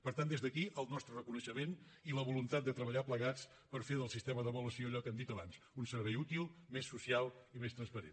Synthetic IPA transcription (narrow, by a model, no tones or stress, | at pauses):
pəɾt̪and̪ezðəkiʔəlˠnɔst̪ɾərəkunəʃəmen | iləβulunt̪at̪̚d̪ət̪ɾəβəʎapləɣat͡s | pəɾfeðəlˠsist̪eməðəβuləsioəʎɔkɛmd̪it̪əβans | unsəɾβɛjut̪ilˠmesːusialˠimest̪ɾənspəɾḛn